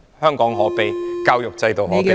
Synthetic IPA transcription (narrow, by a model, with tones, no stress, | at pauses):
hœː˥ŋkɔː˨˥ŋɦɔː˨˥pe˨˧jkaː˧wjʊ˨k̚t͡sɐ˧jt̪o˨wɦɔː˨˥e˨